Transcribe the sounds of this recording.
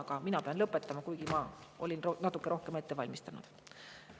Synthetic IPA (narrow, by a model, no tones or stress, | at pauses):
ɑɡ̥ɑminɑpe̞ɑnlɤpːˑet̪ːˑɑmɑkujɡ̥imɑʔo̞̰lʲinonɑt̪ːˑukːeʔo̞hkeme̞t̪ːe̞vɑ̰lʲmist̪ɑnṵd̪̥